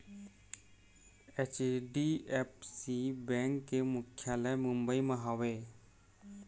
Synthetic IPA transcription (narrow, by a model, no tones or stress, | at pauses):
et͡ʃɖiep̚sibɛ̃ŋkːemukʰjalɛjmumbəimaɦɔwe